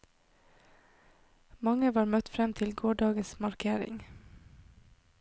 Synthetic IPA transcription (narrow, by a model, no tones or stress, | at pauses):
mɑŋəʋɑːɾmœt̪fɾɛmt̪ʰɪlɡoːɖɑːɡəsmɑɾkʰeːɾɪ̰ŋ